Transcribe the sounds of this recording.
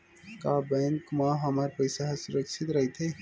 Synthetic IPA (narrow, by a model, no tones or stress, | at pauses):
kabɛŋkmãɦəməɾpəjsaɦsuɾəkʃʰit̪ɾəɦt̪ʰe